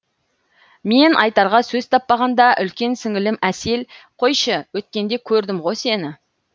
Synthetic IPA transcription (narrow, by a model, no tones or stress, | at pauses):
me̞nʔɑjt̪ɑɾʁɑsɵzt̪ʰɑpːɑʁɑnd̪ɑʔʏlkʲe̞nsɪŋɪlɪmæse̞lqʰo̞jʃəwɵt̪̚kʲe̞nd̪e̞kʲʰɵɾd̪ɪmʁo̞se̞nɪ